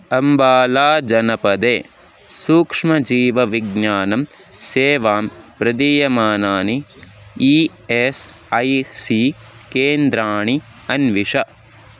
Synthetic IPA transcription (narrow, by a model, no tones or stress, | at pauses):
ɐmbaːlaːd͡ʒɐnɐpɐd̪eː | suːkʂmɐd͡ʒiːʋɐʋiɡɲaːnɐm | seːʋaːmpɾɐd̪iːjɐmaːnaːnii | es | ɐjsi | keːnd̪ɾaːɳi | ɐnʋiʂɐ